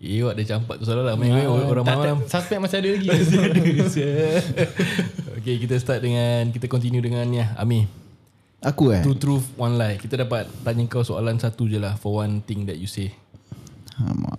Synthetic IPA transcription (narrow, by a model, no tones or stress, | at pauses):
ewɔʔ̚dat͡ʃampat̪̚ːusolalamãoɾãŋmaalamsaspɛk̚masiadəlaɡiasiadəsə | o̰kekit̪ast̪at̪̚dəŋankit̪akɔnt̪injũdəŋãnjaa̰mĩ | akuaɾut̪ɾufwɔnlajkit̪adapat̪̚t̪aɲəŋkawsoa̰lansat̪ud͡ʒəlahfɔwant̪ɪŋdɛt̪̚juse | a̰m̰a̰